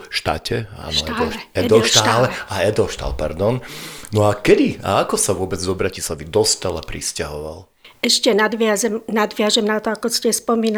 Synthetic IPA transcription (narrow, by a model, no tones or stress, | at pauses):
ʃt̪a̰cɛa̰nɔd̪ɛd̪ɔʃt̪alɛaɛd̪ɔʃt̪a̰lpa̰ɾd̪ɔnnɔakɛd̪ia̰akɔsaʋʊɔbɛd͡zzɔbɾacislˠaʋid̪ɔst̪alapɾiscaɦɔʋa̰l | ɛʃcɛnad̪ʋɪazɛmnad̪ʋɪaʒɛmnat̪ɔakɔscɛspɔmiːna